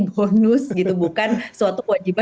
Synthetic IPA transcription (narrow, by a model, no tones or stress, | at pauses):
bonʊsɡit̪ubukansəwat̪ukəwad͡ʒiba